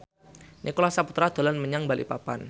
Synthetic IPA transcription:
nʔikolasaput̪ɾad̪̥o̤lanməɲaŋbalʔḭpapa̰n

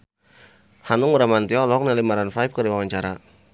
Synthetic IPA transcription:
hanʊŋuɾamant̪iɔlɔɔk̚nalimaɾanfajp̚kəɾiwawaɲt͡ʃaɾa

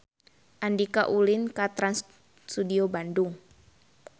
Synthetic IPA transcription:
ʔandikaʔulinkat̪ɾans | sudiobanduŋ

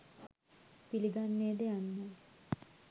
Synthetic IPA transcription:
piliɡanːeːd̪ejanːə

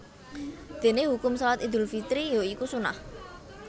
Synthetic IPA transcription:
d̪̥e̤neɦukʊmsɔlat̪id̪ʊ̤lfit̪ɾijoikusuna̰h

